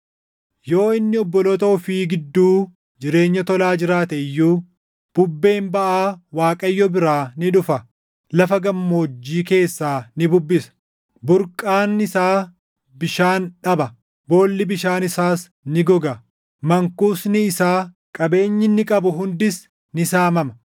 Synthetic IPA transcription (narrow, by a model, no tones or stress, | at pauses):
jo̞ːɪnːɪɔbːɔlɔt̪oːfiːɡɪd̪ːuː | d͡ʒɪɾe̞ːɲːɐt̪ɔlaːd͡ʒɪɾaːt̪ɛɪjːuː | b̥ʊbːe̞ːmbɐʔaːwaːkʼɐjːɔbɪɾaːnɪᶑʊfɐ | lɐfɐɡɐmːo̞ːd͡ʒːiːke̞ːsːaːnɪbʊbːɪsɐ̥ | bʊɾkʼaːnɪsaː | bɪʃaːnᶑɐbɐ | bo̞ːlːɪbɪʃaːnɪsaːs | nɪɡɔɡɐ | mɐŋkuːsnɪːsaː | kʼɐbe̞ːɲːɪnːɪkʼɐbʊɦʊnd̪ɪs | nɪsaːmɐmɐ